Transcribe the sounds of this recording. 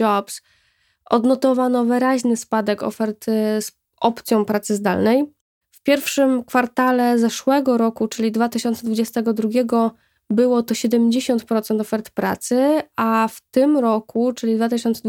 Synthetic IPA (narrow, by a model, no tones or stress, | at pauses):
ɔps | ɔ̰d̪nɔt̪ɔvanɔvɘɾaʑnɘspad̪ɛkɔ̰fɛɾt̪s | ʔɔpt̪sʲjɔ̃w̃pɾat̪sɘzd̪a̰lnɛj | fpʲjɛɾfʂɘmkfaɾt̪alɛzɛʂwɛɡɔɾɔkut͡ʂɘlʲid̪vat̪ɘɕɔnt̪sɛd̪vud͡ʑɛst̪ɛɡɔd̪ɾuɡʲɛɡɔ | bɘwɔt̪ɔɕɛd̪ɛmd͡ʑeɕɔnt̪pɾɔt̪sɛnt̪ɔfɛɾt̪pɾa̰t̪sɘaft̪ɘmɾɔkʰut͡ʂɘlʲid̪vat̪ɘɕɔnt̪sɛ